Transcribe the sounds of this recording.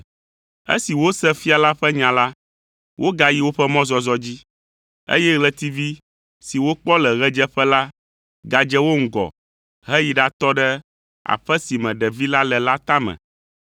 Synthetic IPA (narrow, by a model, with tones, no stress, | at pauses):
ḛ˦si˨wo˦sɛ˦fi˦a˨la˦ɸɛ˦ɲã˨la˦ | wʔo˦ɡa˦ji˦wo˦ɸɛ˦mɔ̃˦zɔ˦zɔ˦d͡ʑi˦ | ḛ˦jɛ˦ɣlɛ˨t̪i˦vi˦ | si˨wo˦k͡pɔ˦lɛ˨ɣɛ˦d͡ʒɛ˦ɸɛ˦la˦ | ɡa˨d͡ʒɛ˦wo˦ŋ̩˦ɡɔ̰˨ | ɦɛ˦ji˦ɖa˨t̪ɔ˦ɖɛ˦ | a̰˨ɸɛ˦si˨mɛ̃˨ɖɛ˨vi˦la˦lɛ˨la˦t̪a˦mɛ̰̃˨